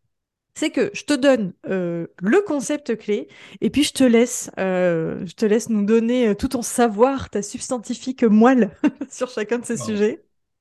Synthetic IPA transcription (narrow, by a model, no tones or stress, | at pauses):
sɛkəʒ̥ət̪əd̪ɔnøləkɔ̃sɛp̚t̪əkleepɥiʒət̪əlɛsøʒət̪əlɛsnud̪ɔneøt̪ut̪ɔ̃savwaʁt̪asybst̪ɑ̃t̪ifikmwalsyʁʃakʲɛ̃d̪əsesyʒɛ